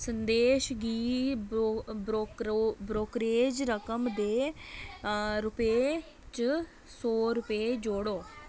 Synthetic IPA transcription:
sənd̪eːʃɡiː | bɾoːkɾeːd͡ʒɾəkəmd̪eː | ɾʊpeː | t͡ʃ | soːɾʊpeːd͡ʒoːɽoː

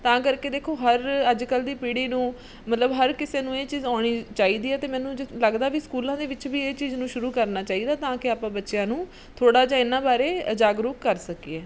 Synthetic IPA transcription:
t̪ãːkəɾkeːd̪eːkʰoːɦəɾəd͡ʒkəld̪iːpiːɽiːnũː | mət̪ləbɦəɾkɪseːnũːeːt͡ʃiːzaːɽ̃iːt͡ʃaːiːd̪iːɛːt̪eːmɛ̃ːnũːləɡd̪aːʋiːskuːlãːd̪eːʋɪt͡ʃʋiːeːt͡ʃiːznũːʃʊɾuːkəɾnaːt͡ʃaːiːd̪aːt̪ãːkɪaːpãːbətːʃɪjãːnũː | t̪ʰoːɽaːd͡ʒãːɪnãːbaːɾeːd͡ʒaːɡɾʊːkːəɾsəkiːɛː

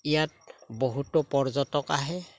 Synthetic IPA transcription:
ijat̚boɦutɔpɔɹzɔtɔkaɦɛ

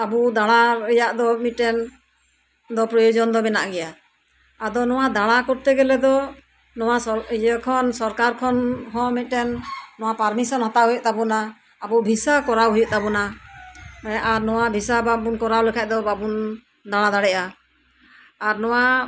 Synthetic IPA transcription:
abud̪aɽ̃aɾɔjaʔd̪ɔmit̪̚ʈɛn | d̪ɔpɾɔjɔd͡ʒɔnd̪ɔmɛnaʔɡɛja | ad̪ɔnɔwad̪aɽ̃akɔɾt̪ɛɡɛlɛd̪ɔ | nɔwasəkʰɔnsɔɾkaɾkʰɔnɦɔ̃mit̪̚ʈɛnːɔwapaɾmisɔnɦɔ̃t̪aɦujɔʔ̚t̪abunaː | bɔbʱisakɔɾawɦujɔʔ̚t̪abuna | ʔaɾnɔwabʱisababunkɔɾawlɛkʰad̪ɔbabun | d̪aɽ̃ad̪aɽɛʔa | ɾnɔwa

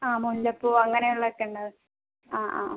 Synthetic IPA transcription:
aːmulːɐpːoːɐŋːɐnejuɭːɐkːeɳɖɐðɨ | aːʔa̰ː

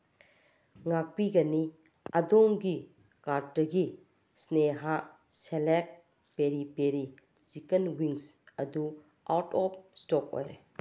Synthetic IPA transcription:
ŋak̚piɡɐni | ɐdɔŋɡi | kaɾdɐɡi | sneɦaselek̚ | peɾipeɾi | sikenwiŋsɐdu | awtɔp̚stɔk̚o̰jɾe

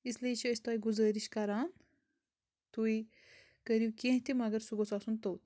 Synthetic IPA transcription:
isliet͡ʃʰiəsʲt̪aːiɡuzəːɾiʃkɐɾaːn | t̪ui | kəɾiwkẽɦt̪ʰimɐɡɐɾsuɡosaːsunt̪oːt̪

